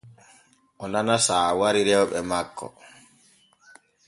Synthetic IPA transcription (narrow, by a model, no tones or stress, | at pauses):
ʔɔnanasaːwaɾiɾɛwɓɛmakʰːɔ̰